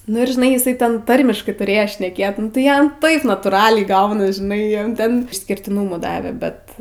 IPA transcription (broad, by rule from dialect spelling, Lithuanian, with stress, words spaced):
ˈnʊ ɪr ʒʲɪˈnɐɪ ɪˈsɐɪ ˈtʲɛn ˈtɐrʲmʲɪʃkɐɪ tʊˈrʲeːjoː ʃʲnʲɛˈkʲeːt nʊ tɐɪ ˈjɛm ˈtɐɪp nɐtuːˈrɑːlʲɛɪ ˈɡɐʊnɐs ʒʲɪˈnɐɪ ˈjɛm ˈtʲɛn ɪʃʲsʲkʲɪrʲtʲɪˈnuːmʊ ˈdɑːʋʲɛ ˈbʲɛt